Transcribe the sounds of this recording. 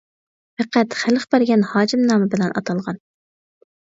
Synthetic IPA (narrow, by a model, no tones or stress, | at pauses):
fæqʰæt̪χæləχbɛɾɡʲɛnhɑːd͡ʒɪmnɑːmɪbɪlɛnʔɑ̰t̪ʰɑlˠʁɑn